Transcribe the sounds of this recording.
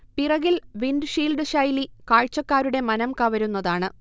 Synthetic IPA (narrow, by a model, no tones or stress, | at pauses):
pirɐɣilʋindɨʂiːlɖɨɕɐjlikaːɻt͡ɕːɐkːaːɾuɽe̞mɐnɐmkɐʋɐɾunːɐðaːɳɨ